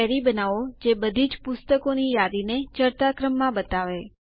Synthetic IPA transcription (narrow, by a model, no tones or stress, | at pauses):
ɛɾibənaʋod͡ʒebəd̪ʱid͡ʒpʊst̪əkonijad̪inet͡ʃəɾt̪akɾəmːãbət̪aʋe